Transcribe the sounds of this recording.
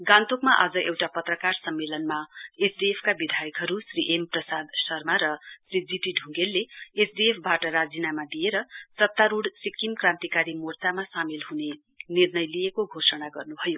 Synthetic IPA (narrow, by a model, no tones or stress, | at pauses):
ɡant̪okmaʔad͡zʌʔewʈapʌt̪rʌkarsʌmːelʌnmaesɖiepʰkabid̪ʱajʌkɦʌɾusriʔemprʌsad̪sʌrmaɾʌsrid͡ziʈiɖʱũŋɡelːeesɖiepʰbaʈʌɾad͡zinamad̪ijeɾʌsʌt̪ːaɾuɽsikːimkrãnt̪ikaɾimort̪amasamelɦune | nirnʌjlijekoɡʱosʌnaɡʌrnubʱʌjo